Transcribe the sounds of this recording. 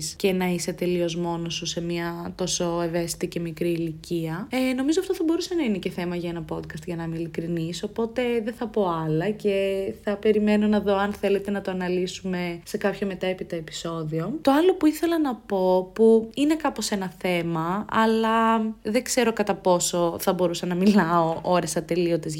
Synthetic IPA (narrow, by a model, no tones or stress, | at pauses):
scenɐise̞t̪e̞lio̞zmo̞nosuse̞miɐt̪o̞so̞e̞ve̞si̥t̪ice̞mikɾiːliciɐeno̞mizoɐft̪o̞θɐbo̞ɾusenɐine̞ceθe̞mɐʝɐenɐpo̞d̪kɐst̪ʝɐnɐmilikɾiniso̞po̞t̪e̞ðenθɐpo̞ɐlɐce̞θɐpe̞ɾime̞no̞nɐðo̞ɐnθe̞le̞t̪e̞nɐt̪oɐnɐlisume̞se̞kɐpçome̞t̪ɐepit̪ɐepi̥so̞ðio̞t̪o̞ɐlo̞puiθe̞lɐnɐpo̞puine̞kɐpose̞nɐθe̞mɐɐlɐðeɡze̞ɾo̞kɐt̪ɐpo̞so̞θɐbo̞ɾusɐnɐmilɐoʔoɾesɐt̪e̞liot̪ez